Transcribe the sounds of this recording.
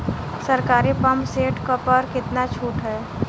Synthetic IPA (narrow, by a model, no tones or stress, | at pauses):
sɐɾkaːɾipɐmpseːʈkəpɔɾkɪt̪nat͡ʃʰuːʈɦɛː